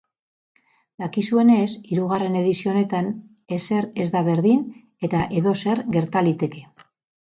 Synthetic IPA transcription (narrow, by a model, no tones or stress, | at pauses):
d̪akisue̞ne̞siɾuɣare̞ne̞ðisio̞ne̞t̪an | e̞se̞ɾe̞zd̪aβe̞ɾðin | e̞t̪aʔe̞ðo̞se̞ɾɣe̞ɾt̪alit̪e̞ke̞